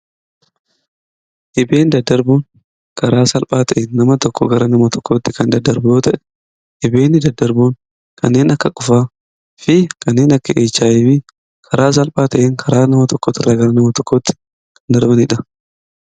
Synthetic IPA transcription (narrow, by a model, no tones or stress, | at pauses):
ʔɪbeːnd̪ɐd̪ːɐɾbuːŋ | kʰɐɾaːsɐlpʼaːt̪ɐʔeːnːɐmɐt̪ɔkːɔ̰ɡɐɾɐnɐmɐt̪ɔkːoːt̪ːɪ̥kɐnd̪ɐd̪ːɐɾbʊjoːt̪ɐʔɛ̥ | ʔɪbe̞ːnːɪd̪ɐd̪ːɐɾbuːn | kʰɐnːe̞ːnɐkːɐkʼʊfaː | fɪkɐnːe̞ːnɐkːɐʔeːt͡ʃːaːʔefɪ | kʰɐɾaːs̬ɐlpʼaːt̪ɐʔeːŋkʰɐɾaːnɐmɐt̪ɔkːoːt̪ːɪrːaːɡɐɾɐnɐmɐt̪ɔkːoːt̪ːɪ̥ | kʰɐnd̪ɐɾbɐnɪᶑɐ